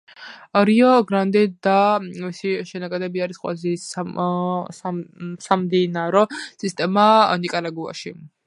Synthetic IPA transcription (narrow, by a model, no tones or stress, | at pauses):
ɾiɔɡɾand̪ɛd̪amisiʃɛnakʼad̪ɛbiaɾisqʼwɛ̰lazɛsa | asamd̪inaɾɔsist̪ʼɛmanikʼaɾaɡua̰ʃi